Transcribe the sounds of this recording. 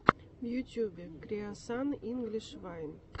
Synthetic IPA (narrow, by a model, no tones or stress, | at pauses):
vjut̪ʲjubʲekɾʲeasɑniŋɡlʲiʃvɑjn